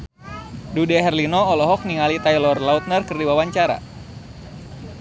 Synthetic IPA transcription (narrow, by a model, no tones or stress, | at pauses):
dudɛɦɛrlinɔːlɔɦɔk̚niŋalit̪ajlɔrlaut̪̚nərkɨrdiwawaɲt͡ʃaɾa̰